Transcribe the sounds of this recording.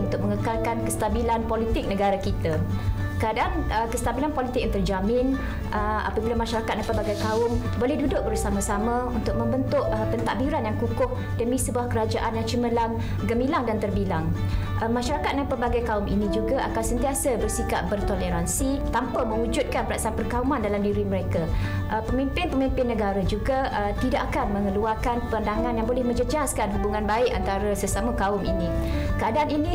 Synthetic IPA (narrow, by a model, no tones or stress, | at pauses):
unt̪ʊk̚məŋəkalkankəst̪abilanpolit̪ɪk̚nəɡaɾakit̪a | kəadaʔanəkəsə̥t̪abilanpolit̪ɪk̚unt̪ʊd͡ʒamɪ̃n | əa̰pabilamaʃaɾakat̪̚dapərbaɡajkaʊm | bolɛhdudʊʔ̚bərsamãsamãunt̪ʊk̚mə̃mbənt̪ʊʔəpənt̪aʔbiɾanjaŋkukʊʔ̚ | dəmĩsəbuahkəɾad͡ʒaʔanjaŋt͡ʃəməlaŋ | ɡəmilaŋdant̪ərbilaŋ | ʔəmaʃaɾakat̪̚daŋpərbaɡajkaʊmʔḭnĩd͡ʒuɡaʔakansənt̪iasəbərsikaʔ̚bərt̪oleɾansit̪ampamə̃ŋud͡ʒʊt̪̚kanpəɾaʔsanpərkaumãndalamdiɾiməɾeka | ʔəpəmimpɪnpəmimpɪnːə̃ɡaɾad͡ʒuɡaət̪idaʔakanmə̃ŋəluarkanpəandaŋãnjaŋbolɛhmə̃ɲd͡ʒəd͡ʒaskanɦubuŋãnbaɪʔant̪aɾəsəsamãkaʊmḭnĩkəadaaninĩ